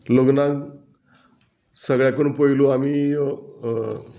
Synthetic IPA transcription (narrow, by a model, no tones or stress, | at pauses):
loɡnaɡ | səɡɭjakəɳpoiluamiː